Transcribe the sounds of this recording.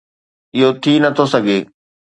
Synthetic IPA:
ɪɦot̪ʰinɐt̪ʰosɐɡʱeː

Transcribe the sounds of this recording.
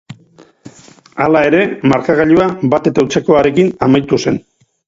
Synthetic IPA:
alae̞ɾe̞maɾkaɣaʎuabat̪e̞t̪awt͡se̞ko̞aɾe̞kinamajt̪use̞n

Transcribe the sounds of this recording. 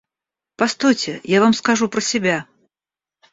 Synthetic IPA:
past̪ojt͡sʲɪjavamskaʐupɾəsʲɪbʲa

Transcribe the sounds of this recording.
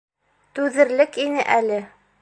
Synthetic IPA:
t̪ʉðɘ̆ɾlɘkinɘʔælɘ

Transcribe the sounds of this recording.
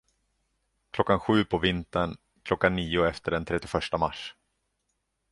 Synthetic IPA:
kʰlɔkːanɧʉ̟ːpʰɔvɪnt̪əɳ | kʰlɔkːanːiːʊɛft̪əɖɛnt̪ʰɾɛt̪ːɪfœʂʈamaʂ

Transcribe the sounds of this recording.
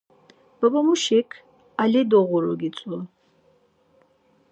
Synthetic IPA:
b̥ɐbɔmuʃɛkʰ | alɛd̪ɔʁɔɾɔɡit͡sʼɔ

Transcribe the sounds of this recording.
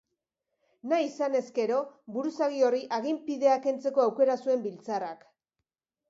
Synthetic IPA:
naisane̞ske̞ɾo̞βuɾusaɣio̞riʔaɣ̞impiðe̞ake̞nt͡se̞ko̞awke̞ɾasue̞mbilt͡sarak

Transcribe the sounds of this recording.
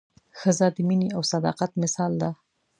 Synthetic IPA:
xəzad̪əminiawsad̪ɑ̰qat̪mɪsɑld̪a

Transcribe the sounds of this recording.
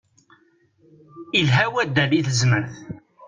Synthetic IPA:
ilɦæwæd̪ːæliθəzməɾθ

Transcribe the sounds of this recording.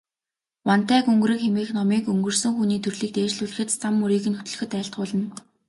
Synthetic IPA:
wan̥t̪æːkɵŋɡ̆ɾɘ̆kxemiːxnɔmiːkɵŋɡɵ̆rsɵ̆ŋxuːniːt̪ʰɵrɮiːk̚t̪eːt͡ɕɮuːɮɘ̆xɘ̆t̪t͡sʰamːuɾiːɣɘ̆nxɵt̪ɵ̆ɮɵ̆xɘ̆t̪æːɬt̪̚ʊːɮə̆n

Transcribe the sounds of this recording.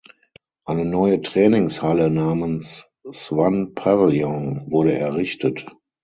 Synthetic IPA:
ʔaɪnənɔʏətʁ̥ɛːnɪŋshalənaːmənsː | vanpʰavljɔ̃vʊɐɾəʔɛɐʁɪçtət

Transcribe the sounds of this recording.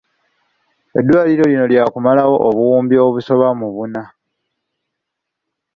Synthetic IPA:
e̞̰dːwaːliɾo̞lino̞ljaːkumalawo̞ʔːβuwuːmbio̞βuso̞βamuβuna

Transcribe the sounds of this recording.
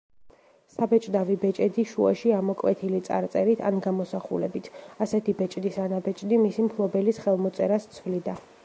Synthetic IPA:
sabɛt͡ʃʼd̪avibɛt͡ʃʼɛd̪iʃua̰ʃiamɔkʼwɛt̪ʰilit̪sʼa̰ɾt̪sʼɛɾit̪ʰanɡamɔsaχṵlɛbit̪ʰasɛt̪ʰibɛt͡ʃʼd̪isanabɛt͡ʃʼd̪imisimkʰlˠɔbɛlisχɛlˠmɔt̪sʼɛɾast̪sʰvlid̪a

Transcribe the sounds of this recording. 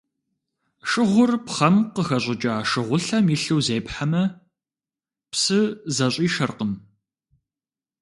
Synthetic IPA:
ʃʼɨʁʷʊrpχɐmqəxɐɕʼɪt͡ʃʼaːʂɨʁʷʊɬɐmiɬɨwzeːpħamɐ | psɨzɐɕʼiːʃɐrqəm

